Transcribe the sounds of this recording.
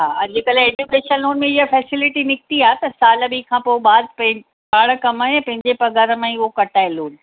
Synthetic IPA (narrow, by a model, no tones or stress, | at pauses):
ɦaːɐd͡ʑikɐleːd͡ʑukeːʃənloːnmẽɪɦəfɛːsɪlɪʈinɪk̚t̪iaːet̪ɐsaːləbikʰãːpobaːd̪̚pɐ̃ɪ̃ | paːɽə̆kɐmaːepɐ̃ɦɪ̃ɲd͡ʑepɐɡaːɾə̆mãːĩʊɦokɐʈaːeloːn